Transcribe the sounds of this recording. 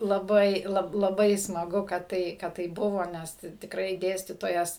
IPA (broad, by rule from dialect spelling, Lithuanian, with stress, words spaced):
lˠɐˈbɐɪ ˈlˠɐp lˠɐˈbɐɪ smɐˈɡʊ kɐt ˈtɐɪ kɐt ˈtɐɪ ˈbʊʋoː ˈnʲɛs t tʲɪkˈrɐɪ ˈdʲeːsʲtʲiːtoːjɛs